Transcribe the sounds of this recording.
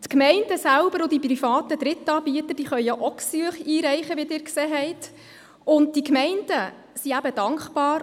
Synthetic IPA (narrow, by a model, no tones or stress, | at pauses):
tkmɛɪndəsælbəɾʊd̪iprifɑːtəd̥̪ɾɪtːɑːbiət̪əd̥iːχœjjaʔɔksyəχiːɾɛɪχəʋidɪːɾkseːɦɛɪt | ʊnt̚d̥ikmɛɪndə | siæbəd̥ɑŋkχbɑːɾ